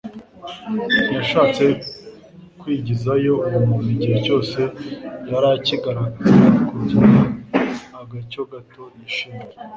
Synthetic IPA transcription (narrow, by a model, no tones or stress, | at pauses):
jaʃaːt͡se̞ | kwiːɟizajo̞ujumumiɟihe̞co̞ːse̞jaɾaciɡaɾaɡazakuɾcina | aɡaco̞ɡatʰo̞niʃiːne